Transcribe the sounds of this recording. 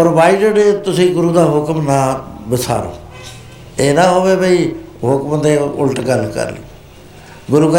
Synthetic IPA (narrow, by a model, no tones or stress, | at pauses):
pɾoʋaːiɖəɖet̪ʊsĩːɡʊɾuːd̪aːɦʊkmnaːbɪsʰa̰ːɾo̰ː | eːnãːɦoːʋeːbəiːɦʊkmd̪eːʊlʈɡəlkə̰ɾlḭ | ɡʊɾuːɡə